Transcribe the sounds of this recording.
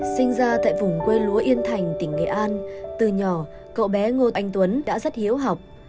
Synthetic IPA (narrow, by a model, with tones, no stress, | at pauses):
sï˧ŋ̟zaː˧t̪a̰ː˧˨jvʊ˨˩ŋ͡mkwe˧lu˨˦əʔi˧ənt̪ʰa˨˩jŋ̟t̪ï˧˩ŋ̟ŋḛ˧˨˩ʔaː˧nt̪ɨ˨˩ɲɔ˨˩ | kə̰˧˨wɓɛ˨˦ŋo˧t̪ʔa˧jŋ̟t̪wə˨˦nɗa̰ː˧˥zə˦˥t̚hi˨˦əwɦa˨˩wk͡p̚